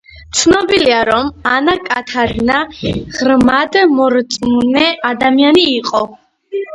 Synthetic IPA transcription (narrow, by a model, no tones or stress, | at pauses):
t̪sʰnɔbiliaɾɔmanakʼat̪ʰad̪naʁɾmad̪mɔɾt̪sʼmunɛad̪amianiːqʼɔ